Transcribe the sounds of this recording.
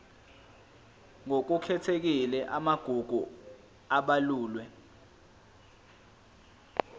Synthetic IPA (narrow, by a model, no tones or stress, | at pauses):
ŋok̬ukʰɛtʰek̬ilɛʔamaɡ̥ʱuɡ̥ʱu | aɓaluːlwɛ